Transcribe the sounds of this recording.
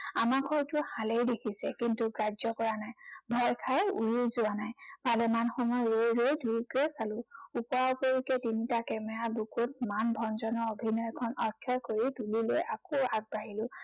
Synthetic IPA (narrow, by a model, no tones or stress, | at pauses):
amakʰɔwtʊhalejdekʰisɛkintuɡɹazɔkɔɹanajbʱɔɹkʰajṵjizʊanajpalɛmanxɔmɔjɹojɹojdʱuɹikɹɛsalʊ̃upɔapoɹikɛtinitakɛmɛɹabukʊt̚manbʱɔnzɔnɔɹobʱinɔjkʰɔnɔkʰjɔkoɹidulilo̰jakoaɡ̚baɦilʊ̃